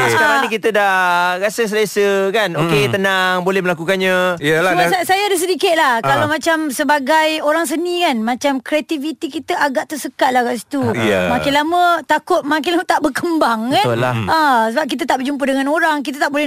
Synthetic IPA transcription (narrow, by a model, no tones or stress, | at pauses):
asəkaɾaŋnikit̪ədahɾasəs̬lesəkanoket̪ənaŋbolɛhməlakukanɲãmsasajaːdas̬ədikɪt̪̚lahkalawmãt͡ʃamsəbaɡajoɾaŋs̬ənĩkanmãt͡ʃamkɾeat̪ivit̪ikit̪əʔaɡaʔt̪əsəkaʔ̪lahɡaʔs̬i̥t̪ṵmãkɪnlamə̃t̪akʊt̪̚mak̬ɪnlamət̪aʔbərkəmbaŋkanlaasəbap̚k̬it̪̬ət̪aʔbərd͡ʒump̬ədəŋanoɾaŋk̬it̪at̪aʔbolɛ